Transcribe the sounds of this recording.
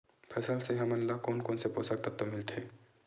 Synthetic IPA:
pʰɛsəlseɦɐmɐnlːakoːnkoːnseposaɾ̚t̪at̪omɪlt̪ʰeː

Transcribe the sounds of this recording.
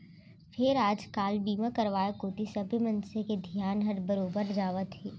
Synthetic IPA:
fʰɪɾaːd͡ʒkaːlbiːmakɐɾʋaːjekoːt̪isɐbʱəmɐ̃nseked̪ʱijaːnɦɐɾbɐɾoːbəɾd͡ʒaːʋət̪ɦeː

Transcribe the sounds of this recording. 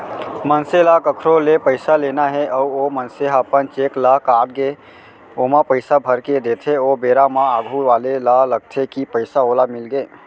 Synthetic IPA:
mənselakəkʰɾolepəɪsalenaɦeʔəuomənseɦapənt͡ʃeklakaɽɡe | omapəɪsabʱəɾked̪et̪ʰeobeɾamãaɡʱuʋalelaləɡ̚t̪ʰekipəɪsaolamilɡe

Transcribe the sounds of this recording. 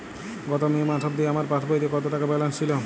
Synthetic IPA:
ɡɔt̪omemat̪ʰɔb̚d̪ieamaɾpat̪ʰbajt̪ikɔt̪oʈakabɛlanst͡ɕʰilo

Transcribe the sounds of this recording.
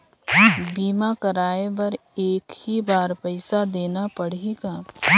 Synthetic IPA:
biːmakɐɾaːebɐɾeːkhibaːɾpɛɪsad̪eːnapɐɽ̤iɡaː

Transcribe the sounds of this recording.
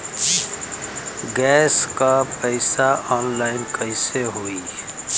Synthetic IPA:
ɡɛːskapəɪsaɔːnlaɪnkəɪseɦoːi

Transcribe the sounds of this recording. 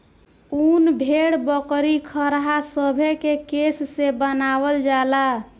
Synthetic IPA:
unbʱeɽbəkɾikʰəɾɦasəbʱekekesːebənabəld͡ʒala

